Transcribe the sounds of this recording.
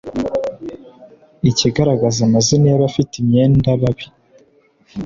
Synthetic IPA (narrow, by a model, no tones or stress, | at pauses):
iciɡaɾaɡazamaziniaβafitimɲe̞ːndaβaβi